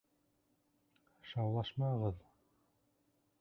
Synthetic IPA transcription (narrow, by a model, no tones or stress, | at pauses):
ʃɑwlˠɑʃmɑɤʁɤð